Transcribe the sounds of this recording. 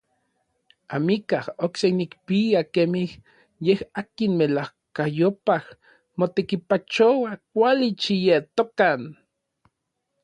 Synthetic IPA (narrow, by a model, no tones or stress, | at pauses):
amikahoksenikpiakemih | jehakinmelah | kajopah | mot̪ekipat͡ʃowakʷalit͡ʃijet̪okan